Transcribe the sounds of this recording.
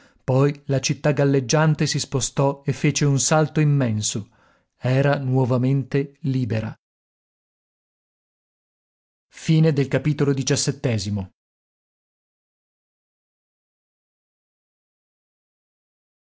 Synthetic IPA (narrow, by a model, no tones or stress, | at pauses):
pɔjlat͡ʃit̪ːaɡalːed͡ʒːant̪esispost̪ɔefːeːt͡ʃeunsalt̪oimːɛnso | ɛːɾanwɔvament̪eliːbeɾa̰ | fiːned̪elkapiːt̪olod̪it͡ʃasːet̪ːɛːzimo